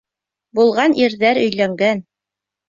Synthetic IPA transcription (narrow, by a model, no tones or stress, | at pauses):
bulˠʁɑnʔiɾðæɾɵ̆jlæŋɡæn